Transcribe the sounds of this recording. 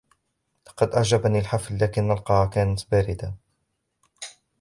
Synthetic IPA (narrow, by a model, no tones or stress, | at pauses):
lɑqɑd̪ʔaʕd͡ʒabaniːlħaflːaːkɪnʔalqɑhakaːnat̪baːɾɪd̪a